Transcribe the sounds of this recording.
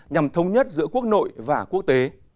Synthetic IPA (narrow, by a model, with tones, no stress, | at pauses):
ɲa˨˩mt̪ʰə˨˧wŋ͡mɲə˦˥t̚zɨ̰˧˥əku˦˥ək̚no̰˧˨jvaː˨˩ku˦˥ək̚t̪e˨˦